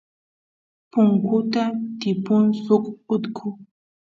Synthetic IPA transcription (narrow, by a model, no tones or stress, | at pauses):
puŋkutatipunsukut̪kʰu